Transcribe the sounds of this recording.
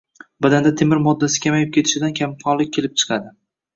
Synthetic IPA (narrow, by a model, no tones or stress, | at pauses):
bad̪and̪at̪ʰemɪɾmɒd̪ːasɪ̥kʲʰamajɪp̚kʲe̞t̪ʰɪ̥ʃɪd̪ankʲʰamkʰɒnlɪk̚ʲʰːe̞lɪp̚t͡ʃʰɨ̥qʰɑd̪ɪ